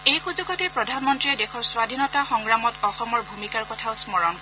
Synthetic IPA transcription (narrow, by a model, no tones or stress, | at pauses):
ejxuzuɡɔtɛpɹɔdʱanmɔntɹiɛdexɔɹswadʱinɔtaxɔŋɡɹamɔtɔxɔmɔɹbʱumikaɹkɔtʰaʊsmɔɹɔn